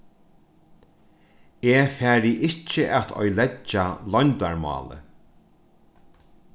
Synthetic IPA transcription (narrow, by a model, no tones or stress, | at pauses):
eːfæːɾɪʔɪt͡ʃːɪʔat̪ʰɔ̰jlɛt͡ʃːalɔjnt̪aɹmɑ̰ːlə̰